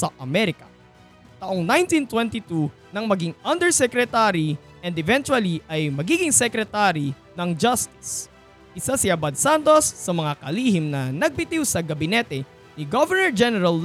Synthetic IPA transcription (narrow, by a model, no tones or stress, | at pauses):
sɐʔɐmɛɾɪkɐ | t̪aʔoŋnajnt̪ĩnt̪wɛnt̪it̪u | nɐŋmɐɡiŋɐnd̪ɛɹsɛkɾɛt̪aɾi | ʔɛnd̪ɛvɛ̃nt͡ʃ̪wɐliʔɐjmɐɡiːɡɪŋsɛkɾɛt̪aɾi | nɐŋd͡ʒɐst̪ɪ̥s | ʔɪsasɪʔɐbɐd̪sant̪osːɐmɐŋakɐliːhɪmnɐnɐɡ̚pɪt̪iwsɐɡɐbɪnɛt̪ɛ | nɪɡovɛɹnɛɹd͡ʒɛnɛɾɐl